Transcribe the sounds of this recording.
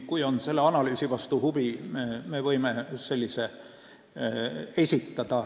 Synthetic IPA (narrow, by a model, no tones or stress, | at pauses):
kujo̞nse̞lːeɑnɑlyːsiʋɑst̪uhub̥imemevɤ̞jmese̞lʲːise | e̞sʲit̪ːɑd̪̥ɑ